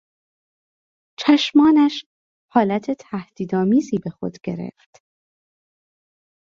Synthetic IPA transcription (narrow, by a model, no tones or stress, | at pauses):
t͡ʃʰæʃmɒːnæʃ | hɒːlæt̪ʰe̞t̪ʰæhd̪̥iːd̪ɒːmiːziːbe̞xo̞̰d̪̥ɡe̞ɾḛft̪